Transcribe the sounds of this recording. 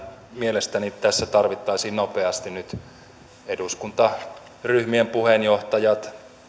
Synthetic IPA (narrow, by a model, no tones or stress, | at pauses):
mielest̪ænitt̪æsːæt̪ɑrʋit̪ːɑisiːnnopeɑst̪innyt̪ | eduskunt̪ɑ | ryhmiempuhenjoht̪ɑjɑt̪